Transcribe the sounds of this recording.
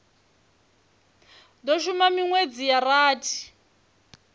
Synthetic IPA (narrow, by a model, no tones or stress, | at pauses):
dɔʃumamiŋwed͡zijaraːtʰi̥